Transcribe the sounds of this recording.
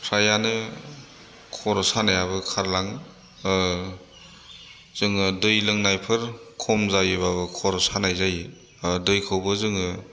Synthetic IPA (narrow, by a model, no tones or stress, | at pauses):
pʰɾajanɯ | kʰɔɾɔsanajaβɯkʰaɾlaŋ | z̥ɯŋɯdɯjlɯŋnajpʰɯɾkʰɔmzajɯbaβɯkʰɔɾɔsanajzaj | dɯjkʰɯwbɯzɯŋɯ